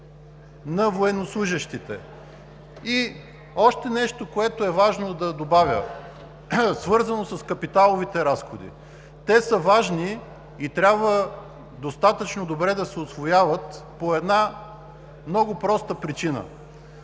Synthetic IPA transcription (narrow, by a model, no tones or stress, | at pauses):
nɐvoɛnːoslˠuʒəʃt̪it̪ɛ̰ | i | ɔʃt̪ɛnɛʃt̪okoɛt̪oɛvaʒnod̪ɐd̪obavʲə | svɤɾzɐnosəskɐpit̪alˠovit̪ɛɾasxod̪ḭ | t̪ɛsəvaʒniː | t̪ɾʲabvə | d̪ost̪at̪ət͡ʃnod̪obɾɛd̪ɐsɛosvojavət̪poɛd̪na | mnɔɡʊpɾɔst̪əpɾit͡ʃinə̰